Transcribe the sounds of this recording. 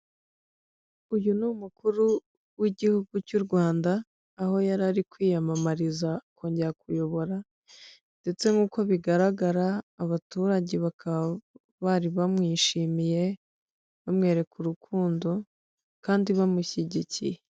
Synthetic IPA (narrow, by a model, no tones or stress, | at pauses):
ujunumukuɾu | wiɟihuɡucuɾɡwaːndaː | ho̞jaɾaɾikwiːjamamaɾizako̞ːɲɟe̞ɾakujo̞βo̞ɾa | nde̞t͡se̞ŋɡuːko̞βiɡaɾaɡaɾaːβatuːɾaɟe̞βakʰaβa | βaɾiβamŋiːʃimije̞ | βamŋe̞ːɾe̞kuɾukʰuːndo̞ | kaːndiβamuçiɟicḭje